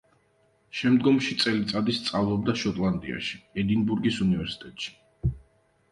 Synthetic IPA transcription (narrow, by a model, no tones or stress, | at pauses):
ʃɛmd̪ɡɔmʃit̪sʼɛlit̪sʼad̪ist̪sʼavlˠɔbd̪aʃɔt̪ʼlˠand̪ḭa̰ʃi̥ɛd̪inbuɾɡisunivɛɾsi̥t̪ʼɛt̪ʼʃi̥